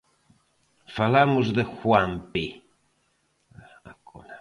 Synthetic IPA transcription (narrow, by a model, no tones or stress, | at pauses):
falamuzd̪ɛxwampi | akuna